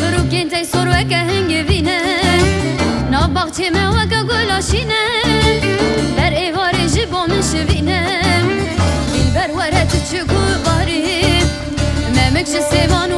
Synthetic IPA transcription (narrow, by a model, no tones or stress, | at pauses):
ɨɾuːkeːnt̪ʰɛjsoɾwɛk̬ɛɦɛŋɡɪviːnɛ | nɑːbɑxt͡ʃʰeːmɛwɛkɛɡolɑːʃiːnɛ | d̪ɛɾeːvɑːɾeʒiboːmɪnʃɪviːnɛ | binbɛɾwɛɾɛt̪ɨt͡ʃʰɪkʊbɑːɾi | mɛmɪkʒɪseːvɑːn